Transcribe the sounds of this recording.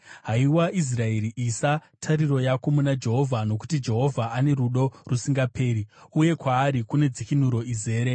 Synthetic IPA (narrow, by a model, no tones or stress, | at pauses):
ɦaiwaʔis̬rae̞ɾiʔisatʰaɾiro̞jakomunad͡ʒe̞ɦo̞vʱano̞ku̥tid͡ʒe̞ɦo̞vʱaʔane̞ɾuɗo̞rusiŋɡape̞ːɾiuje̞kwaːɾikune̞d͡zikin̤uɾo̞ize̞ːɾe̞